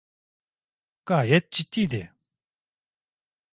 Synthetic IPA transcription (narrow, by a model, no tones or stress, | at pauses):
kaɦɛt̪̚t͡ɕit̪id̪e